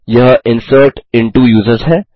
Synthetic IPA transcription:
jɐɦɪ̃nsəːɾʈɪ̃ɳʈujuːzəɾzɦɛː

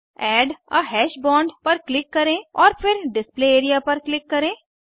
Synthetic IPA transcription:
ɛːɖəɦɛːʃbɔ̃ːɳɖpɐɾklɪkːɐɾẽːɔːɾpʰɪɾɖɪspleːeːɾijapɐɾklɪkːɐɾẽː

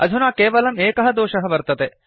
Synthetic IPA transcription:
ɐ̰d͡ʒ̪ʱunaːkeːʋɐlɐmeːkɐɦɐd̪oːʃɐɦɐʋɐɾt̪ɐt̪e

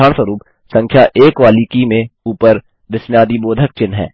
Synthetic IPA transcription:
aːɳsəɾuːp | sə̃ŋkʰjaʔeːkʋaːlikimẽuːpəɾ | d̪ɪsmjaːd̪iboːd̪ʱək̚t͡ʃɪnɦɛ̰ː

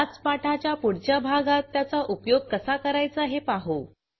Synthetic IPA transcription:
at͡spaʈʰat͡ɕjapuɽt͡ɕabʱaɡat̪ːjat͡saʔupjoɡ̚kəsakəɾajt͡səɦepaɦo

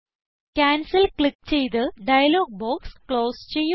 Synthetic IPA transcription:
kʲaːnsɐlkɭik̚t͡ɕejt̪ɨɖɐjɐloːɡ̚boːkskloːst͡ɕejːu

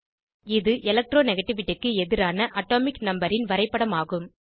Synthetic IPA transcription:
ɪðɯʔɛlɐk̚ʈɾoːnɛɣɐʈːɪʋɪʈːɪkːɯɛðɪɾaːnɐʔɐʈːoːmɪknɐmbɐɾɪnʋɐɾɐɪpːɐɽɐmaːɣɯm

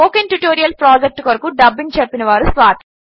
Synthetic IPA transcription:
oːkenʈuʈoːɾijɐlpɾaːd͡ʒek̚ʈkɐɾɐkuɖɐbːint͡ʃɐpːinɐʋaːɾusʋaːt̪

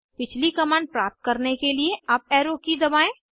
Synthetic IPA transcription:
pɪt͡ʃʰlikɐmaːnpɾaːp̚t̪̚kɐɾnekelieap̚ɛːɾoːkid̪ɐbaːẽː

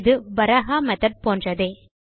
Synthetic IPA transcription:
ðɯbɐɾɐɦaːmɛt̪ɐʈ̚poːndrɐðeː

